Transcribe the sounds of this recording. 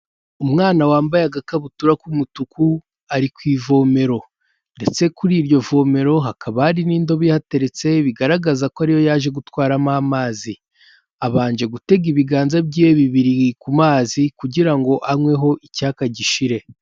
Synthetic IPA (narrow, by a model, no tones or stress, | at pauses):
umŋaːnawaːmbajaɡakaβutuɾakumutuku | aɾikwiːvo̞me̞ɾo̞ | nde̞t͡se̞kuɾiːɾjo̞vo̞me̞ɾo̞ɦakʰaβahaɾiniːndo̞βijhate̞ɾe̞t͡se̞βiɡaɾaɡazakoaɾijo̞jaːʒe̞ɡutwaːɾamaːmaːzi | aβaːnd͡ʒe̞ɡute̞ɡiβiɡaːnzabɟieβiβiɾiikumaːzikuɟiɾaŋɡo̞ʔaŋwe̞ɦo̞ʔicaːkaɟiʃiɾe̞